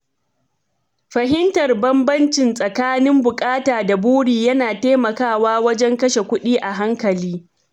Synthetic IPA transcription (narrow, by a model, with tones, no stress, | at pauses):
ɸɐ˨ɦɪ˦ntɐ˨rbɐ˦mbɐ˦nt͡ʃɪ˨nsʼɐ˨kaː˦nɪ˦mbʊ˨kʼaː˦taː˨da˨buː˦ɽiː˨jɐ˦naː˨teː˦mɐ˨kaː˦˨waː˦wɐ˦d͡ʒɛ˦ŋkɐ˦ʃe˨kʷʊ˦ɗiː˦ʔa˨ɦa˦ŋkɐ˨liː˦